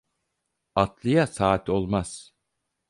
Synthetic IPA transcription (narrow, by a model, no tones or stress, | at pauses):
at̪ʰlˠɯjasaːt̪ʰo̞lˠmaz̥